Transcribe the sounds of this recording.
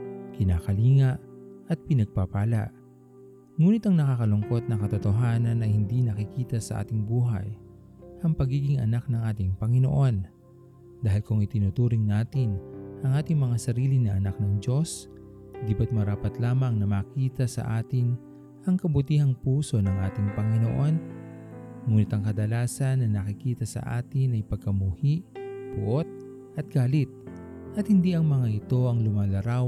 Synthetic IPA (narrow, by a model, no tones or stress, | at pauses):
kɪnaːkɐliːŋɐʔʔɐt̪̚pɪnɐɡ̚papaːlɐ̰ʔ | ŋuːnɪt̪ɐŋnɐkaːkɐlʊŋko̞t̪̚nɐŋkɐt̪ot̪oɦaːnɐnʔɐjhɪnd̪inɐkɪkiːt̪ɐsɐ̰ʔa̰ːt̪ɪŋbuːɦɐ̰j | ʔɐŋpɐɡiːɡɪŋɐ̰nak̚nɐŋʔaːt̪ɪŋpɐŋɪno̰ʔo̞n | d̪aːɦɪlkʊŋɪt̪ɪnut̪uːɾɪŋnaːt̪ɪnʔɐŋʔaːt̪ɪŋmɐŋasɐɾiːlɪnɐʔɐnak̚nɐŋd͡ʒo̞s | d̪ibɐt̪̚mɐɾaːpɐt̪laːmɐŋnɐmaːkiːt̪ɐsɐ̰ʔaːt̪ɪn | ʔɐŋkɐbʊt̪iːhɐŋpuːso̞nɐŋʔaːt̪ɪŋpɐŋɪno̰ʔo̞n | muːnɪt̪ɐŋkɐd̪ɐlaːsɐnːɐnɐkɪkiːt̪ɐsɐ̰ʔa̰ːt̪ɪnɐjpɐɡ̚kɐmuːhiʔb̥ʊ̰ʔo̞t̪̚ | ʔɐt̪̚ɡ̥aːlɪt̪̚ | ʔɐt̪̚hɪnd̪iʔɐŋmɐŋaʔɪt̪o̞ʔɐŋlʊmaːlɐɾaw